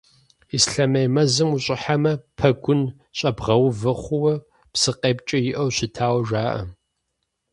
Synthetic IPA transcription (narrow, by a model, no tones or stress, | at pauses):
isɬɐmɐjmɐzɨmuɕʼɪħamɐpʰɐɡʷʊn | ɕʼɐbʁɐwvɐχʷʊwɐ | psɨqʼeːpt͡ʃʼɐjɪʔɐwɕɪtʰaːwɐʒʷaːʔɐ̰